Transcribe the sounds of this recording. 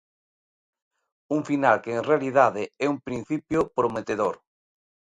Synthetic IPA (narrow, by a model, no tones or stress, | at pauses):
uŋfinalkeːŋrealiðaðeɛumpɾin̟θipjʊpɾomet̪eðoɾ